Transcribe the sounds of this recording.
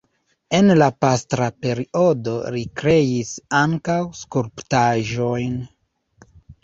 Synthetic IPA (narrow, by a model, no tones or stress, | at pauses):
e̞nlapastɾape̞ɾio̞do̞̰ɾikɾe̞isaŋkawskuɾptaʒo̞jn